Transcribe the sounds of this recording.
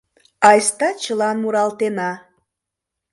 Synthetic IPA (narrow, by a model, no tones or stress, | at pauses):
ɑjst̪ɑt͡ɕəlɑnmuɾɑlt̪enɑ